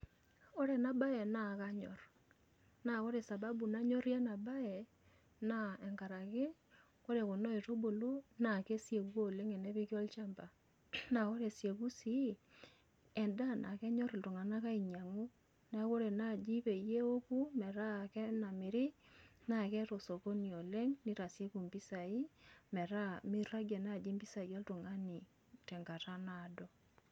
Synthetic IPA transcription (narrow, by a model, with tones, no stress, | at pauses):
o˦ɾe˨na˦ba˦jɛ˨na˨ka˦ɲɔ̰˨ɾ | na˨ko˦ɾe˨sa˨ba˦bu˨na˦ɲɔ˦ɾjɛ˦na˨ba˦jɛ˨ | na˦ɛ˨ŋɡa˨ɾa˨ke˦ | ko˦ɾe˨ko˨nɔ˦e˨to˦bo˨lo˦na˨ke˦sje˨kwo˦˨le˦ŋe˨ne˦βɪ˦kjɔ˦lt͡ʃa˦mba˨ | na˨ko˦ɾe˨sje˨ku˦si˨˦ | ɛ˨nda˦nʔa̰˨kɛ˦ɲɔ˦ɾi˨ltu˨ŋa˨na˦ka˦i˨ɲa˨ŋo˦ | nɛ˦ko˦ɾe˨na˦˨d͡ʒi˦pe˨je˦o˦ku˦mɛ˨ɾa˦˨kɛ˦na˨mɪ˨ɾɪ˦na˦˨kɛ˦to˨so˨ko˦ni˨o˨le˦ŋni˦ɾa˨sje˦ku˨mpi˦sa˨i˦mɛ˨ɾa˦mi˦ra˦ɡe˨na˦˨d͡ʒi˦mbi˦sa˨i˨ɔ˦ltu˨ŋa˦ni˨ | tɛ˨ŋɡa˨ta˦na˦˨dɔ˦